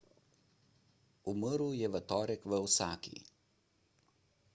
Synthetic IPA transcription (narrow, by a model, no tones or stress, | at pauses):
uməɾujɛʋət̪ɔːɾɛkʋəwsaːkḭ